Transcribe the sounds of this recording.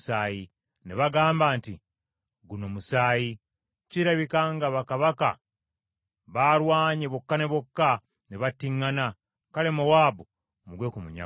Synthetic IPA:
saːji | neβaɡaːmbaːnti | ɡuno̞musaːji | ciɾaβikaŋɡaβakaβaka̰ | βaɾwaːɲeβokːane̞βo̞kːa | neβatːiŋːana | kale̞mowaːbu | muɡwe̞ːkumuɲa̰

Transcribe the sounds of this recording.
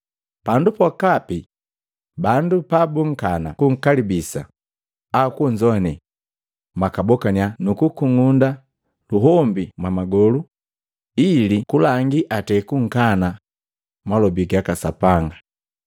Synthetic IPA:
pandupɔkapi | bandupabuŋ̩kanakuŋ̩kalibisa | akuɲd͡ʒɔnɛ | makabɔkanianukukuŋunda | luɦɔmbimwamaɡɔlu | ilikulaŋɡiʔatɛkuŋ̩kana | malɔbiɡakasapaŋɡa

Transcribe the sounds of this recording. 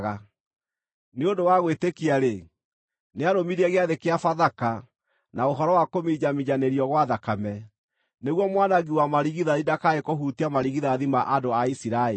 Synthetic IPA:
ɣa | neondowaɣwetekiaɾe | neaɾomiɾɛɣeaðekeafaðaka | naoɦɔɾɔwakomid͡ʒamiɲaneɾiɔɣwaðakamɛ | neɣwɔmwanaɣiwamaɾiɣiðaðidakaekoɦutiamaɾiɣiðaðimaʔadoaisiɾae

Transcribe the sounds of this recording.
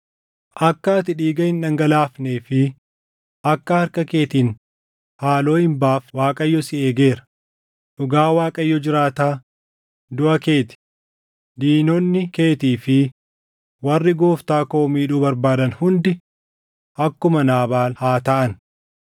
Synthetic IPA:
ʔɐkːaːt̪ɪᶑiːɡɐhɪnᶑɐŋɡɐlaːfneːfɪ | ʔɐkːɐhɐɾkɐke̞ːt̪iːn | haːlo̞ːhɪmbaːfwaːkʼɐjːɔsɪeːɡe̞ːɾɐ̥ | ᶑʊɡaːwaːkʼɐjːɔd͡ʒɪɾaːt̪aː | d̪ʊʔɐke̞ːt̪ɪ̥ | ᶑ̪iːnɔnːɪke̞ːt̪iːfɪ | wɐrːɪɡoːft̪aːkoːmiːᶑuːbɐɾbaːd̪ɐnhʊnd̪ɛ | ʔɐkːʊmɐnaːbaːlhaːt̪ɐʔɐn

